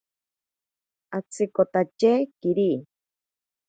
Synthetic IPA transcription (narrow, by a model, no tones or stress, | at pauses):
at͡sʰikot̪at͡ʃekiɾi